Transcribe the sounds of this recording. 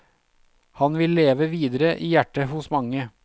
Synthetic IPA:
hɑnʋɪlːeːʋəʋiːd̪əɾəʔiːjæʈːəhʊsmɑŋə

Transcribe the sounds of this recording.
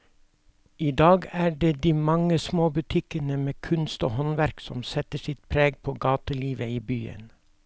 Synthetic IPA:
iːd̪ɑːɡæːɖeːd̪iːmɑŋəsmoːbʉt̪ʰɪkənəmeːkʰʉnst̪o̰ːhɔnʋæɾksɔ̰msɛt̪əʃɪt̪̚pʰɾeːɡ̚pʰoːɡɑːt̪əliːʋəiːbyːə̰n

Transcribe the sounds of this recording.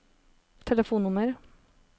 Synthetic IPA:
t̪ʰɛləfuːnʊməɾ

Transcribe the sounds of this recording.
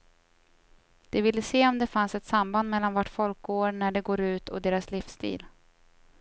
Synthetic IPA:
d̪̥ɛvɪlːəseːɔmd̪ɛfansɛt̪samband̪mɛlːanvaʈːfɔlk̚ɡoːɾɳæɖɛɡoːɾʉ̟ːt̪ʰɔ̰d̪eːɾaslɪfst̪ḭːl

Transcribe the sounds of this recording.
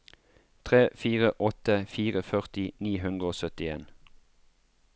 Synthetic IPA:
t̪ʰʁeːfiːʁəʔɔt̪əfiːʁəfœʁt̪ɪniːɦʉnd̪ʁəoːsœt̪ɪḛːn

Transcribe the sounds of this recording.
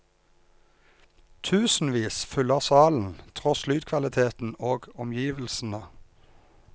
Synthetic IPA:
t̪ʰʉːsn̩ʋiːsfʉləʁsɑːln̩t̪ʰʁɔslyːd̪kʰʋɑlɪt̪ʰeːt̪n̩oːɡɔmjiːʋlsn̩ə

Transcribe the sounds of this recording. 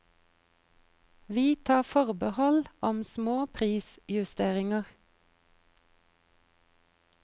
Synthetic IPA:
ʋiːt̪ʰɑːfɔʁbəhɔlʔɔmsmoːpʰʁiːsjʉst̪eːʁɪŋəʁ

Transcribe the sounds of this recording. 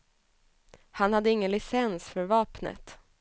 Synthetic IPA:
hanhad̪ːəɪŋːənlɪsɛnsfœɾvɑːpnə̰t̪

